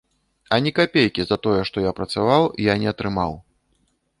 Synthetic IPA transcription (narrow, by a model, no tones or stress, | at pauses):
ɐnʲikapʲejkʲizɐt̪ɔjɛʂt̪ɔjapɾɐt̪savawjanʲɛɐt̪ɾɨmaw